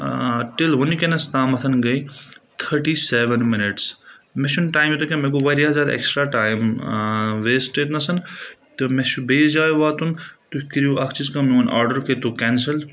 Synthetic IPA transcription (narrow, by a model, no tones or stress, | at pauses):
ʈelɦunikenɐst̪aːmɐt̪ʰɐnɡɐjt̪ʰəɾʈiseːʋenminiʈsmesʰunʈaːjmjit̪ukʲẽmeɡuʋɐɾjazaːd̪ḛksʈɾaʈaːjm | ʋeːsʈet̪nɐsɐnt̪ɨmesubeːsd͡ʒaːjuʋaːt̪unt̪ukiɾjuɐkʰt͡ʃizkɐmnuɐnʔa̰ːɾɖəɾket̪ukɛnsɐl